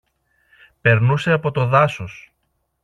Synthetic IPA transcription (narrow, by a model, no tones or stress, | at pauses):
pe̞ɾnuse̞ɐpo̞t̪o̞ðɐsos